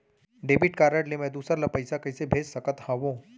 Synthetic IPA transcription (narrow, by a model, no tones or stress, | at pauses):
ɖeːbɪʈkaːɾəʈlemɛ̃d̪uːsɾalapɐɪsakɐɪsebʱeːd͡ʒsɐkət̪hãʋõː